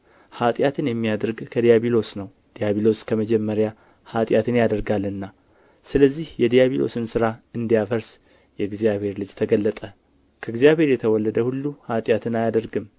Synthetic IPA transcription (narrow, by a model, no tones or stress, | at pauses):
hat̪ʼjat̪ʰɨnjɛmːijad̪əɾɡkʰəd̪ijaβilo̞snəw | d̪̥ijaβilo̞skʰəməd͡ʒɛmːəɾja | hat̪ʼjat̪ʰɨnjad̪əɾɡalːɨnːa | sɨləzːihjɛd̪ijaβilʔo̞̰sɨnsɨɾaɨnd̪ijafəɾs | jɛɡzijaβhe̞ɾlɨd͡ʒt̪ʰəɡəlːət̪ʼə | kʰəɨɡzijaβhe̞ɾjɛt̪ʰəwɔlːəd̪əhulːuhat̪ʼjat̪ʰɨnajad̪əɾɡɨm